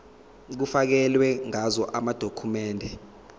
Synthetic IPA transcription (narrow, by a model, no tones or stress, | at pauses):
k̬ufak̬ɛlwɛŋazɔʔamad̥ʱokʰumɛːndʱɛ